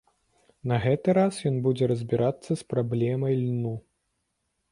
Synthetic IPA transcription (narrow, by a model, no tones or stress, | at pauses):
nɐɣɛt̪ɨɾasjɔnbud͡zʲɛɾɐzʲbʲiɾat̪sːɐspɾablʲɛmɐjlʲnu